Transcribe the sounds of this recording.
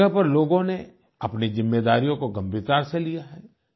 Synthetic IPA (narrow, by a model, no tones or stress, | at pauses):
əpɐɾloːɡõne | ɐpnizɪmːeːd̪aːɾijõkoɡɐmbʱit̪aːɾselijaɦɛː